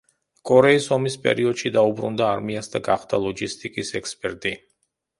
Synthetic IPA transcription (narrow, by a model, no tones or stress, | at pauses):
kʼɔɾɛisɔmispʼɛ̰ɾiɔd̪̥ʃid̪aubɾṵnd̪aːɾmiasd̪aɡaχd̪alˠɔɡist̪ʼikʼisɛkspʼɛɾt̪ʼi